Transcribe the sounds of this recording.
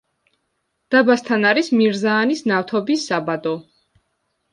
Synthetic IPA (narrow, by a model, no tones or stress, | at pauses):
d̪̥abast̪ʰanaɾismiɾzaːnisnaft̪ʰɔbisːabad̪ɔ